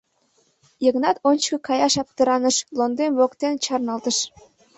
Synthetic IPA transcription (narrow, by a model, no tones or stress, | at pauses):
jəɣnɑt̪onʲt͡ɕkɤ̆kɑjɑʃɑp̚t̪ə̆ɾɑnəʃlond̪emβokt̪ent͡ɕɑrnɑlt̪əʃ